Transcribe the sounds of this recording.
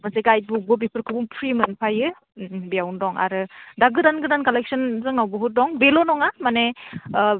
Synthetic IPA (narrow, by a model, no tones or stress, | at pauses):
maseɡaj̚bubɯbipʰɯɾkʰɯbuŋpʰɾimɯnpʰajɯ | bijawndɔŋa̰ɾɯdaɡɯdanɡɯdankalek̚sɯnzɯŋnawbɯɦut̚dɔŋbelonɔŋamane